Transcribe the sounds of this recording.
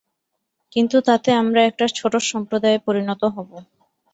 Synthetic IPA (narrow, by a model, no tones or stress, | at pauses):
kint̪ut̪at̪eamɾaɛk̚ʈat͡ɕʰoʈoʃɔmpɾod̪aepoɾinɔt̪oɦɔbo